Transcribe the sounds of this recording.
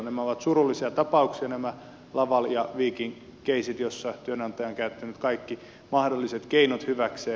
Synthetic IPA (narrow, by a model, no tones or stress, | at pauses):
næmæoʋɑt̪surulːisiɑt̪ɑpɑuksiɑnæmæ | lɑʋɑljɑʋiːkiŋ | keisit̪josːɑt̪yønɑnt̪ɑjɑoŋkæyt̪ːænyt̪kɑikːi | mɑhdolːiset̪keinot̪hyʋækseː